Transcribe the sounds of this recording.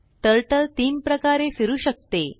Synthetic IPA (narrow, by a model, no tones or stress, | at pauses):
ʈ̪əɾʈəlt̪iːmpɾəkaɾefiɾuːɕək̚t̪e